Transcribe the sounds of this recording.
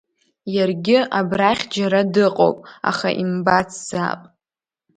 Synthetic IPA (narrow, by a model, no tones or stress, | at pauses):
jarɡʲɪabraχʲd͡ʒaɾadɨqʼo̰wpʼa̰χa̰ʔimbat͡sʰz̥a̰pʼ